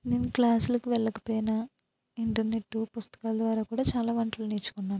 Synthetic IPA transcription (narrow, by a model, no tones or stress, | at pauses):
neːnuklaːsulɐkuʋɛɭːɐkɐ̥pɔːjinɐ | iɳʈɐɾne̞ʈːupust̪ɐ̥kaːlɐd̪ʋaːɾaːkuːɽaːt͡ʃaːlaːʋɐɳʈlɐlniːt͡ʃːu̥kunːaːnuu